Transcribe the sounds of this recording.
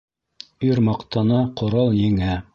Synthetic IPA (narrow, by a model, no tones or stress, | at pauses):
yɾmɑqt̪ɑnɑqŏɾɑlˠjɘŋæ